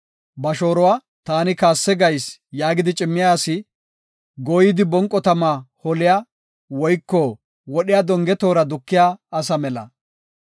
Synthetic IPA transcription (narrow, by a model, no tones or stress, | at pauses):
bɐʃo̞ːɾɔwaː | t̪aːnɪkaːsːɛɡɐjsjaːɡɪd̪ɪt͡ʃʼɪmːɪjaːsɪ | ɡojɪd̪ɪbɔŋkʼːɔt̪ɐmahɔlɪja | wɔjkːɔ | wɔɗɪjad̪ɔŋɡɛt̪o̞ːɾɐd̪ʊkːɪjaːɐs̬ɐmɛlɐ̰